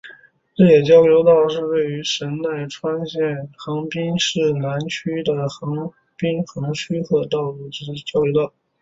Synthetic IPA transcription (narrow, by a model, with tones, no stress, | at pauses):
ʈ͡ʂɤ˥˩jɛ˨˩t͡ɕjɑ˥ʊljo˧˥ʊt̪ɑ˥˧ʊʂɻ̩˥˧we˥˩ɪy˧˥ʂə˧˥nt̪a˥˩ɪʈ͡ʂʰwa˥nɕjɛ˥˩nxɤ˧˥ŋpi˥ŋʂɻ̩˥˩na˧˥nt͡ɕʰy˥d̪ə˨xɤ˧˥ŋ | pi˥ŋxɤ˧˥ŋɕʰy˥kʰɤ˥˧t̪ɑ˥˧ʊlu˥˩ʈ͡ʂ̩˧˥˧t͡ɕjɑ˥ʊjo˧ʊt̪ɑ˥˩ʊ